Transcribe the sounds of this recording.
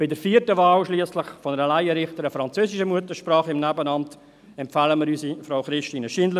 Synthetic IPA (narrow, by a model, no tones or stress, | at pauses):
b̥ɪdəɾfiːəɾtəvaːlʃliəsləχfɔnəɾəlæjəɾɪχtəɾəfɾɑnt͡søːsɪiʃəmuətəʃpɾɑːχɪmnæbənɑmt | ɛmpfɑːləmɪɾyːsifɾaʊχɾɪʃtiːnəʃinlə